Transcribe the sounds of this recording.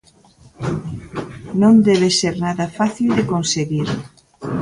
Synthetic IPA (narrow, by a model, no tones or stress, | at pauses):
nõnd̪ɛβ̞eseɾnaðɐfaθild̪ekonseɣiɾ